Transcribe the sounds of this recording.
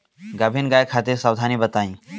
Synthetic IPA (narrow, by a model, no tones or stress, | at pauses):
ɡɐbʱinɡaːjkʰaːt̪iɾsawd̪ʱanibət̪aːĩ